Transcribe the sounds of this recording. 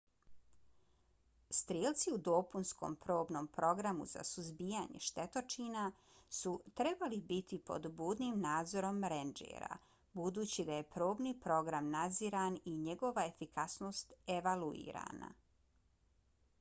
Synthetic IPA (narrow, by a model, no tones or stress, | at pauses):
st̪ɾiːlˠt̪siud̪o̞punsko̞̰mpɾo̞ːbno̞ːmpɾo̞ɡɾamṵza̰suzbijaɲe̞̰ʃt̪e̞t̪o̞t͡ʃiːna | sut̪ɾe̞balibit̪ipo̞̰d̪buːd̪nimnaːd̪zo̞ɾo̞mɾend͡ʒḛːɾa̰ | bud̪uːt͡ɕid̪aje̞pɾo̞ːbniːpɾo̞ɡɾamnad̪ziːɾaniɲe̞ɡo̞ʋae̞fikasno̞ːst̪e̞ʋaluḭːɾa̰na̰